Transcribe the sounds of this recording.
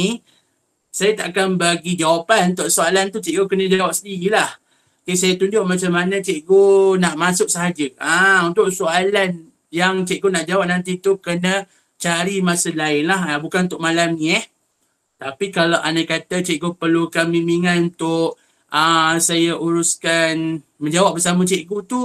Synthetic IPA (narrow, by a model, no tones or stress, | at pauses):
i | sajat̪a̰ʔkanbaɡid͡ʒawapanunt̪ʊʔsualant̪ut͡ʃɛʔɡokənəd͡ʒawap̚səndililah | ksajat̪undʊʔmat͡ʃamːanə̃t͡ʃeʔɡonaʔmasʊʔ̚səɦad͡ʒəaunt̪ʊʔsualan | jaŋt͡ʃɛʔ̚ɡonaʔd͡ʒawap̚nant̪̬it̪ukənə̃ | t͡ʃaɾimasəlaɪnlaɦabukanunt̪ʊʔ̚malamɲĩəh | t̪apikalaʔanakat̪at͡ʃɛʔɡopərlukamimiŋanunt̪ʊʔ | əsajaʔuɾuskanmə̃ɲd͡ʒawap̚bəsamət͡ʃeʔɡot̪u